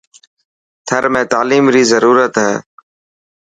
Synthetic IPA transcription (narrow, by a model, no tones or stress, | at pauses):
t̪ʰəɾmẽːt̪aːliːmɾiːzəɾuːɾət̪ɦɛ̰ː